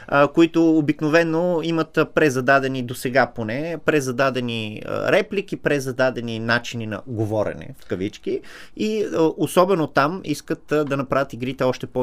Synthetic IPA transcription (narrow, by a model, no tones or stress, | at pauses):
əkoit̪ʊːbiknovɛnːoimət̪pɾɛzɐd̪ad̪ɛnid̪osɛɡaponɛpɾɛzɐd̪ad̪ɛnḭɾɛplik̟ipɾɛzɐd̪ad̪ɛninat͡ʃininɐ̰ɡovɔɾɛ̰nɛ̰fkɐvit͡ʃki | iəʔosɔbɛnot̪amiskət̪d̪ɐnɐpɾavʲət̪iɡɾit̪ɛɔʃt̪ɛpo